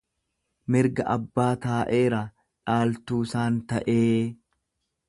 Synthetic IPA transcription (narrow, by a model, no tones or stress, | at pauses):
mɪɾɡɐʔɐbːaːt̪aːʔe̞ːɾa | ᶑaːlt̪uːsaːnt̪ɐʔeː